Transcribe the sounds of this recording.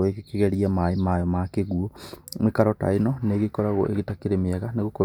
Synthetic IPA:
oekekeɣɛɾiamaemajɔmakeɣuɔmwekaɾɔta̰inɔneːɣekɔɾaɣo̰ʔḛɣetakeɾemiɛɣaneɣoko

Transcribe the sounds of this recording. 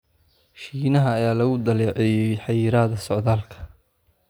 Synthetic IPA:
ʃiːnɐɦɐːjaːlɐɣʊd̪ɐlɛːʕɛjɛjħɑjiːɾaːðɐsɔʕðaːlkʰɐ̥

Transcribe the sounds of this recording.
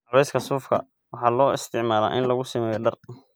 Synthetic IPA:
ɔɾɛjskʰɐsuːfkʰɐ̰ | wɑħɑːlɔːɪst̪ʰɪʕmaːla̰ːʔɪnlɐɣʊsɪmɛːjɔɖɐr

